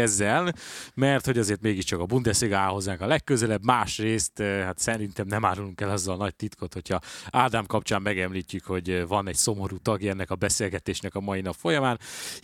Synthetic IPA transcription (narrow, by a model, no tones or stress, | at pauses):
ɛzːɛlnmɛrt̪ho̞ɟɒzeːrt̪meːɡiʃt͡ʃɒkɒbund̪ɛseɡaːɦo̞zːaːŋkɒlɛkːøzɛlɛbmaːʃreːst̪ːhat̪sɛɾint̪ɛmnɛmaːɾuluŋkɛlɒzːɒlnɒc̚t̪it̪kʰot̪ho̞cʰɒaːd̪aːmkɒpt͡ʃaːmːɛɡɛmliːcːykho̞ɟvɒnɛɟso̞mo̞ɾuːt̪ɒɡɛnːɛkɒbɛseːlɡɛt̪eːʃnɛkɒmɒjinɒpfo̞jɒmaːn